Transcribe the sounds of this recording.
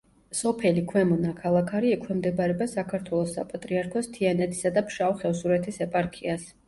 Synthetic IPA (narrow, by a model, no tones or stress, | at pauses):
sɔpʰɛlikʰwɛmɔnakʰalˠakʰaɾiɛkʰwɛmd̪ɛbaɾɛbasakʰaɾt̪ʰwɛlˠɔsːapʼat̪ʼɾiaɾkʰɔst̪ʰianɛt̪ʰi̥sad̪apʰʃawχɛvsuɾɛt̪ʰisɛpʼaɾkʰias